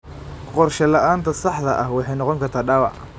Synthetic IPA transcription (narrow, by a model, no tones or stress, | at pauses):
qɔrʃɛlɐʔaːnt̪ʰɐsɑħd̪ɐʔɐhwɑħɑjnɔqɔŋkʰɐrt̪ʰaːɖɑwɑ̰ʕ